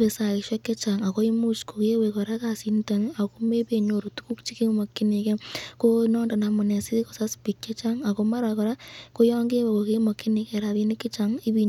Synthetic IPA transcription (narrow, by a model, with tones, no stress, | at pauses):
pe˨sa˨ɪʃwɔ˦kːɛ˦t͡ʃaŋa˨ko˦i˦mu˦t͡ʃko˨ke˦wekɔ˨ɾa˦kasi˦nta˨ŋa˨ko˦me˦pe˨ɲo˨ɾo˨tu̥˦ku˦kt͡ʃi˦ke˦mo˨kːi˦ne˨kɛ˦konɔ˦nda˨na˨mʊ˨ne˨si˦ko˨sa˦spi˨kːɛ˦t͡ʃa˦ŋa˨ko˦ma˦ɾakɔ˨ɾa˦ko˦jɔː˦ŋɡe˦wa˨ko˨ke˦mo˨kːɪ˦ne˨kɛ˨ɾa˨ði˦nɪ˦kːɪ˦t͡ʃaŋɪ˦bi